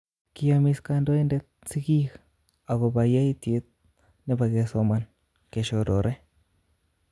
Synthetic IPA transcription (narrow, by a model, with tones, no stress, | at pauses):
ki˧ja˧mi˧ska˧ndo˦jnde˧t̪̚si˦ɡi˦ɡ | a˨ɡo˧ba˨ja˦jt̪e˧˦t̪̚ | ne˧ba˧ɡe˧so˧ma˨˧n | ke˨ʃo˧ɾo˨ɾʔe˦